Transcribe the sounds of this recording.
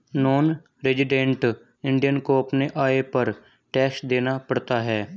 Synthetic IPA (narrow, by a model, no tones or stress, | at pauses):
noːn | ɾɪd͡ʒɪɖẽːɳʈ | ɪ̃ɳɖijənkoɐpneʔaːepɐɾ | ʈɛːksd̪eːnapəɽt̪aɦɛː